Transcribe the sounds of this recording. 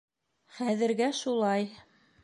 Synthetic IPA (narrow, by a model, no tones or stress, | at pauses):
χæðɘ̆ɾɡæʃulˠɑj